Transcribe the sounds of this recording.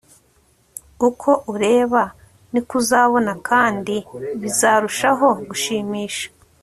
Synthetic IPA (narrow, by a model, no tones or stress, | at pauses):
ukʰo̞ʔuɾe̞ːβa | nikuzaːβo̞nakʰaːndiβizaːɾuʃaɦo̞ɡuʃiːmiːʃḁ